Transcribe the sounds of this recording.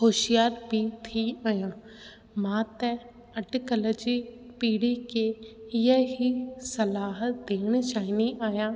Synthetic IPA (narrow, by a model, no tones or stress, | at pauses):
hoːʃijaːɾbʱit̪ʰiaːjãː | mãːt̪ɛ | ɐʈkəlod͡ʒipiːɽikejəɦisɐlaːɦəd̪eːɽ̃t͡ʃaːɦɪniʔaːjãː